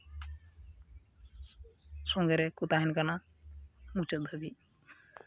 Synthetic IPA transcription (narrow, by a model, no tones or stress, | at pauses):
soŋɡeɾekut̪aɦinkana | mut͡ʃəd̪ʱəbi